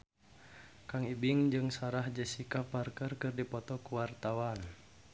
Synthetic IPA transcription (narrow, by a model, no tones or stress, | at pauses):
kaŋibiŋd͡ʒɨŋsaɾahd͡ʒəsikaparkərkɨrdipɔt̪ɔkuwart̪awan